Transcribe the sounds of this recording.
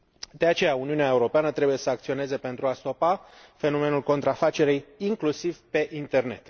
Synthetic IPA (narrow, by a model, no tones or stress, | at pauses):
d̪e̞at͡ʃe̞jauniuneae̞uɾo̞peanət̪ɾe̞buje̞səakt̪sio̞ne̞ze̞pe̞nt̪ɾuast̪o̞pa | fe̞no̞me̞nulko̞nt̪ɾafat͡ʃe̞ɾijiŋklusivpe̞ʔint̪e̞rne̞t̪